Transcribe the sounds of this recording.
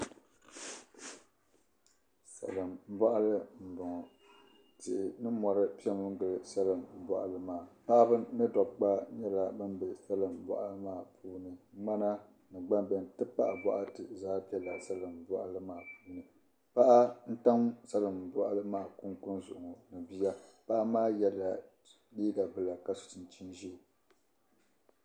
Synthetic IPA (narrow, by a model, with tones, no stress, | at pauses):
sa̰˨lɨ˨mm̩˦bɔ˦ʔa˦lɨ˦m̩˨bɔ˨ŋɔ˨ | tɪ˨ʔɪ˨nɨ˦mɔ˨ɾɨ˦pi˦ɛ˦mɨ˦ŋ˦ɡɨ˨lɨ˦sa˦lɨ˨mm̩˨bɔ̰˦ʔa̰˨lɨ˦maː˨pa˦ʔa˦bɨ˦nɨ˦dɔ˨bk͡pa˦ɲɛ˦la˨bɨ˦mbɛ˨sa˦lɨ˨mbɔ̰˨ʔa˦lɨ˦maː˦˨puː˦nɨ˨˦ŋ͡ma˦na˦ | nɨ˨ɡ͡ba˦mbɛ˨ntɨ˦pa˦ʔa˨bɔ˦ʔa˦tɨ˨zaː˦pi˦ɛ˨la˨sa˦lɨ˨mbɔ˦ʔa̰˦˨lɨ˦maː˦˨puː˦nɨ˨ | pa˦ʔa˦n̩˦ta˦msa˦lɨ˨mbɔ˦ʔa˦lɨ˦maː˦˨kʊ˦ŋkʊ˦nzʊ˨ʔʊ˨ŋɔ˨nɨ˨bi˦ja˦pa˦ʔa˦maː˦jɛ˦lːa˨ | liː˦ɡa˨bɨ˦la˨ka˨sʊ̥˨tɨ˨n˨t͡ʃi˦nʒi˦˨